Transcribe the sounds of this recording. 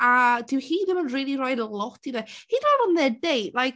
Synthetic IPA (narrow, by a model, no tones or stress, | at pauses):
ad̥ɪwhiːðɪmənriːlˠirɔjdlˠɔtʰiðɛhiːðɔvɔnðɛdejlajk